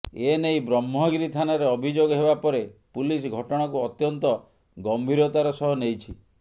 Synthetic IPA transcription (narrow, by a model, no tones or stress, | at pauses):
enejbɾɔmɦɔɡɾit̪ʰanɔɾeɔbʱid͡ʒoɡɔɦebapɔɾepulis̬ɡʱɔʈɔɽ̃ɔkuɔt̪jɔnt̪ɔ | ɡɔmbʱiɾɔt̪aɾɔsɔɦɔnejt͡ʃʰi